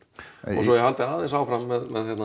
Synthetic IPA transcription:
ɔ̰sɔjɛɦalt̪ɪaːðɪns̬aːwfɾamːɛðmɛðçjɛt̪na

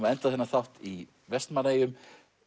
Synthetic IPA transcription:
maðɛnt̪aðɛnːaθawft̪i | vɛst̪maɾeːjʏm

